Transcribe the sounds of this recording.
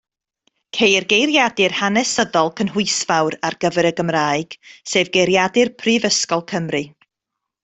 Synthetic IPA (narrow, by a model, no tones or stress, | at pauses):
kʰejrɡejrjadɨrhanɛsəðɔlˠkʰənɦʊɨsvawɾarɡ̥əvɛɾəɡəmraːɨɡ̥seːvɡejɾjadɨrpʰrɨvəskɔlˠkʰəmrɨ